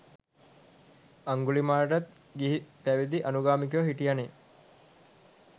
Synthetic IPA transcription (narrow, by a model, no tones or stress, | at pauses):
aŋɡulimaːɾʈat̪̚ | ɡiɦipæʋid̪iʔanuɡaːmik̬ɐjəɦiʈijane